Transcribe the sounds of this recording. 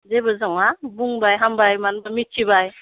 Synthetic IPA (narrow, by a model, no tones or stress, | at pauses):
zebɯzaŋabuŋbajɦambajmanbamitʰibaj